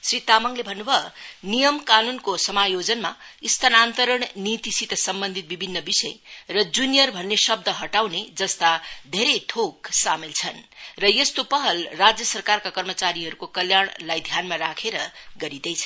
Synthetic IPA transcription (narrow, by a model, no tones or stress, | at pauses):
srit̪amʌŋlebʱʌnːubʱʌnijʌmkanunkosʌmajod͡zʌnma̰ist̪ʰanant̪əɾʌɳ̃nit̪isit̪ʌsʌmbʌnd̪ʱit̪̚bibʱinːʌbisʌjrʌd͡zunijʌrbʱʌnːesʌb̚d̪ʱʌɦʌʈawned͡zʌst̪ad̪ʱeɾeʈʰoksamilt͡sʰʌnrʌjest̪opʌɦʌlrad͡zjʌsʌrkarkakʌrmʌt͡saɾiɦʌɾukokʌljaɽ̃lajd̪ʱjanmaɾakʰeɾʌɡʌɾid̪ʌjt͡sʰʌn